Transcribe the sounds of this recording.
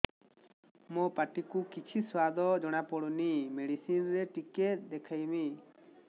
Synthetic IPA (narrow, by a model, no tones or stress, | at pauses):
mɔpaʈikukit͡ʃʰiswad̪ɔd͡ʒɔɽ̃apɔɽunimeɽisinɾɛʈiket̪̚ˀd̪ɛkʰajmi